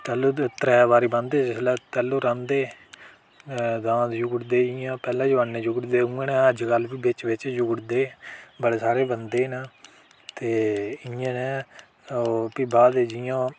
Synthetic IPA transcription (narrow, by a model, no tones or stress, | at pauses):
t̪ɛːluːt̪ɾɛːbaːɾiːbə̃nd̪eːd͡ʒɪslɛːt̪ɛːloːɾãːnd̪eː | d̪ãːt̪d͡ʒʊɡɽd̪eːɪjãːpɛːlãːd͡ʒʋannẽːd͡ʒʊɡɽd̪eːũːẽːnɛ̃ːəd͡ʒkəlbiːbɪt͡ʃʋɪt͡ʃd͡ʒʊɡɽd̪eːbəɽeːsaːɾeːbənd̪eːnaː | t̪eːɪãːnɛː | oːpiːbaːd̪d͡ʒɪjãː